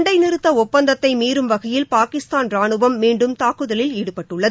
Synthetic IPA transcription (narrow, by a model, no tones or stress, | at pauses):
ɳɖɐɪnɪɾɯt̪ːɐɔpːɐnd̪ɐt̪ːɐɪmiːɾɯmʋɐɣɐjɪlpaːkɪst̪aːnɾaːɳɯʋɐmːiːɳɖɯmt̪aːkɯðɐlɪliːɽɯpɐʈːɯɭːɐð